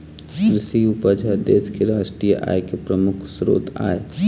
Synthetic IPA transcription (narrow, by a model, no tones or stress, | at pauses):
kɾɪʃiupəd͡ʒʱəd̪eːskeɾaːʃʈɾijəʔa̰ːjkepɾəmʊkʰsɾo̰ːt̪a̰ːe